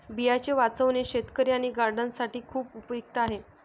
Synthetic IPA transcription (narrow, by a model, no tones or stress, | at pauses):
bijat͡ɕeʋat͡səʋneɕet̪kəɾjaɽ̃iɡaɾɖənsaʈiːkʰuːpupjuk̚t̪əaɦe